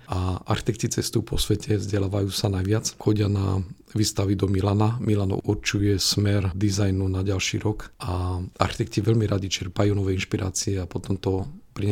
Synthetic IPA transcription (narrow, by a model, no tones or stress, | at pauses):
aa̰ɾxit̪ɛk̚tcit͡sɛst̪uupɔsʋɛcʰɛzɟɛlaːʋajuːsanajʋɪat͡sxɔɟɪana | ʋiːst̪aʋid̪ɔmilanamilanɔ̰ʔuɾt͡ʃujɛsmɛɾd̪izajnunaɟalʃḭɾɔkaa̰ɾxit̪ɛkciʋɛʎmiɾaɟit͡ʃɛɾpajuːnɔʋɛjinʃpiɾa̰ːt͡siɛapɔt̪ɔmt̪ɔpɾiɲɛ